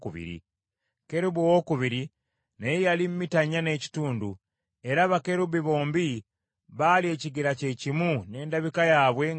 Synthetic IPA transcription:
kuβḭɾḭ | ke̞ɾuβuwokuβiɾi | nejejalim̩mːitaɲːane̞ːci̥tuːndu | e̞ɾaβake̞ɾubiβo̞ːmbi | βalie̞ːciɡiɾace̞cimune̞ːndaβikajaːβwe̞

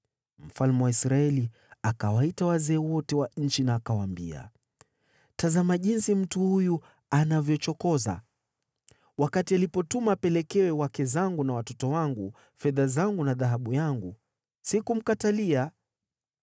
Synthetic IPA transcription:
m̩falmɛwaisɾaɛli | akawaitawazɛːwɔtɛwaɲ̩t͡ʃinaːkawambia̰ | tazamaʄinsim̩tuhuju | anavjɔt͡ʃɔkɔza̰ | wakatialipɔtumapɛlɛkɛwɛwakɛzaŋɡunawatɔtɔwaŋɡu | fɛðazaŋɡunaðaɦaɓujaŋɡu | sikum̩katalia

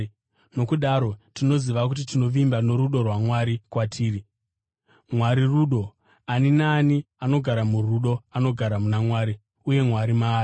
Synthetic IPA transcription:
no̞kuɗaɾo̞tino̞ziʋakut̬itino̞ʋimbano̞ɾuɗo̞rwamwaɾikwatʰiːri | mwaɾiruɗo̞ | aninaːniano̞ɡʱaɾamuruɗo̞ano̞ɡʱaɾamunamwaːɾi | uje̞mwaɾimaː

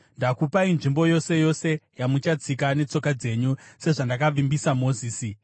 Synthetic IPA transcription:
ndakupainʐimbo̞jo̞se̞jo̞se̞jamut͡ʃat͡sikane̞t͡so̞kad͡ze̞ɲuse̞ʐandakaʋimbisamo̞ziːsi

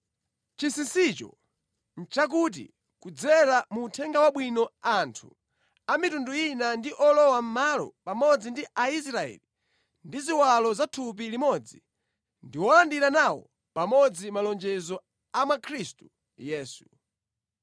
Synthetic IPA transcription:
t͡ʃisinsit͡ʃɔ̰ | n̩t͡ʃak̬ut̬ḭ | kud͡zɛlamuːtʰɛŋɡawaɓwinɔantʰu̥̰ | amitunduinandiʔɔlɔwam̩malɔ̰pamɔd͡zindiʔais̬ɾaɛ̰li | ndiziwalɔzatʰup̬ilimɔd͡zi | ndiwɔlandiɾanawɔ̰ | pamɔd͡zimalɔnd͡ʒɛzɔ | amakʰɾistu̥ | jɛːsu

